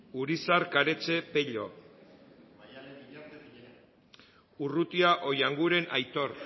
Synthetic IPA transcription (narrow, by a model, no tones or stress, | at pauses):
uɾisaɾkaɾe̞t͡ʃe̞peʎo̞̰ | urut̪iaʔo̞jaŋɡuɾe̞nʔajt̪o̞ɾ